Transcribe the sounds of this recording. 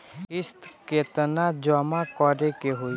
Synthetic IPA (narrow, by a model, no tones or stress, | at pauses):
kɪst̪ket̪ənad͡ʒɔmakɔɾekeɦoi